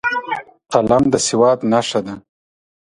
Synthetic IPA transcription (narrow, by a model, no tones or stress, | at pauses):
qalamd̪əsɪwɑt̪naʂad̪a